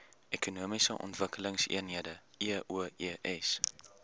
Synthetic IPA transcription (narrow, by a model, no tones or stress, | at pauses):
ekunuəmisəʔɔ̰ntvəkələŋsḭənɦiədəiəʔuəiəʔɛs